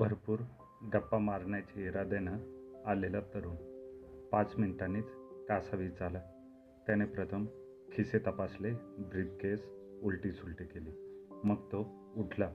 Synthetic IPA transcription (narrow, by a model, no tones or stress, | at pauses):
bʱəɾpuːɾ | ɖəpːamaɾɳjat͡ɕiːɾad̪enaːlelat̪əɾuːnpãt͡sminʈaniːt͡skasaʋiːd͡zala | t̪janepɾət̪ʰəm | kʰiset̪əpaslebɾib̚kesulʈiːsulʈikeliːməɡt̪o | uʈʰla